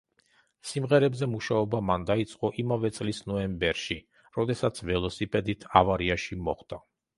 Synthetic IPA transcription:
simʁɛɾɛbzɛmuʃaɔbamand̪ait̪sʼqʼɔʔimavɛt̪sʼlisnɔɛmbɛɾʃi | ɾɔd̪ɛsat̪sʰvɛlˠɔsipʼɛd̪it̪ʰavaɾiaʃimɔχd̪̥a

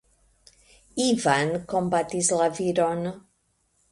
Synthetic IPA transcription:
ivankombat̪islaviɾon

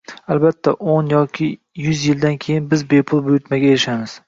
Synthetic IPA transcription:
albat̪ʰːaʔonjɒkʲʰɪ | jʊzjɪld̪ankʲʰe̞jɪnbɪzbe̞pʰʊlˠbʊjʊt̪maɡʲaeɾɪʃamɪz̥

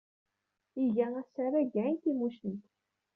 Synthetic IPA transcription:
iʝææsæɾæʝænt̪imuʃnt̪

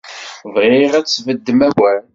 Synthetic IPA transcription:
vʁɪʁæt͡sːvəd̪ːəmæwæɾ

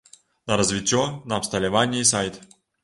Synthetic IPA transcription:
nɐɾɐzvʲɪtʲːɔnɐːpst̪ɐlʲɪvanʲɪsajt̪

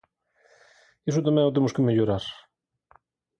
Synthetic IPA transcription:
esut̪amẽŋot̪emuskemeʎuɾaɾ

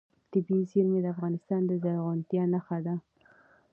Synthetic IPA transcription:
t̪ɪbizilmed̪əafɣɑnɪst̪ɑnd̪əzaɾɣant̪jɑnaxad̪a

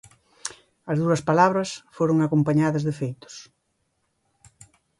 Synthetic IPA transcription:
ɐzðuɐspalaβɾɐsfoɾoŋakompaɲaðɐzðefejt̪ʊ̥s

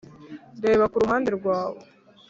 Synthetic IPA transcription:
deːβakuɾuɦaːndeɾɡwaːβo

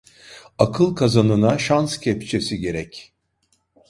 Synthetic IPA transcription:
akʰɯlˠkʰazanɯnaʃanscʰɛpt͡ʃʰe̞siɟe̞ɾɛc

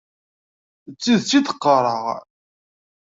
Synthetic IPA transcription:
ət͡sːiðt͡sːiθə̥qːərˤəʁ

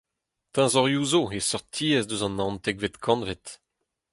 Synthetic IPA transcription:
t̪ɛ̃zɔʁjuzoesɔʁt̪ʰiːɛzdøzɑ̃nɑ̃nt̪ɛɡvet̪kʰɑ̃nvet̪

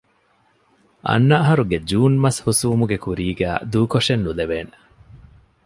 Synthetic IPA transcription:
ʔɐ̰nːɐːɦɐɾuɡed͡ʒuːnmɐshusuːmuɡekuɾiːɡæ̰ːd̪uːkoʂenːuleʋeːne

